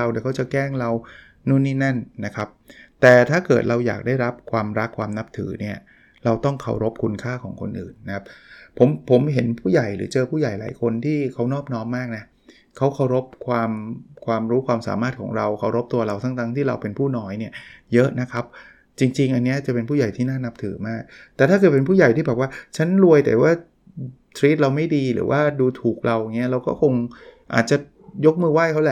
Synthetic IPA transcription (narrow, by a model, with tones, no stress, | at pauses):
a˧wni˨˩kʰa˦˥wt͡ɕa˨˩kɛː˥˩ŋɾa˧w | nu˥˩nːiː˥˩na˥˩nːa˦˥kʰa˦˥p̚t̪ɛː˨˩t̪ʰaː˥˩kɤː˨˩t̪̚ɾa˧wja̰ː˨˩k̚daː˥˩jɾa˦˥p̚kʰwaː˧mɾa˦˥kʰwaː˧mna˦˥p̚t̪ʰɯ̰ː˩˦ni˥˩ɐ | ɾa˧wt̪ɔ˥˩ŋkʰa̰˨˩wɾo˦˥p̚kʰu˧nkʰaː˥˩kʰɔ̰ː˩˦ŋkʰo̰˧nʔɯː˨˩nːa˦˥kʰa˦˥p̚pʰːo˩˦mpʰo˩˦mɦe˩˦npʰuː˥˩ja˨˩jɾɯ̰ː˩˦t͡ɕɤː˧pʰuː˥˩ja˨˩jla̰ː˩˦jkʰo˧nt̪ʰiː˥˩kʰa˦˥wnɔː˥˩p̚nɔː˦˥mːaː˥˩k̚na˦˥ | kʰa˦˥wkʰa˧˥˩wɾo˦˥p̚kʰwaː˧mkʰwaː˧mɾuː˦˥kwaː˧msa̰ː˩˦maː˥˩t̪̚kʰɔ̰ː˩˦ŋɾa˧wkʰa˧˩wɾo˦˥p̚t̪u˧ɐɾa˧wt̪ʰa˥˩ŋt̪a˦˥˩ŋt̪ʰiː˥˩ɾa̰˧wpe˧npʰuː˥˩nɔː˦˥jni˥˩ɐjɤ˦˥ʔna˦˥kʰa˦˥p̚ | t͡ɕi˧ŋt͡ɕi˧ŋʔa˧nːi˦˥ɐt͡ɕa˨˩pe˧npʰu˥˩ja˨˩jt̪ʰiː˥˩naː˥˩na˦˥p̚t̪ʰɯ̰ː˩˦maː˥˩k̚t̪ɛː˨˩t̪ʰaː˥˩kɤː˨˩t̚pe˧npʰuː˥˩ja˨˩jt̪ʰiː˥˩bɛː˨˩p̚waː˥˩t͡ɕʰa˦˥nɾu˧əjt̪ɛ̰˨˩waː˥˩ | t̪ʰɾiː˦˥t̪̚ɾa˧wma˥˩jdiː˧ɾɯ̰ː˩˦wʔaː˥˩duː˧t̪ʰuː˨˩k̚ɾa˧wʔŋːi˦˥ɐɾa˧wkɔː˥˩kʰo˧ŋʔa̰ː˨˩t̪̚t͡ɕa˨˩ | jo˦˥k̚mɯː˧waː˥˩kʰa˦˥wlɛ˨˩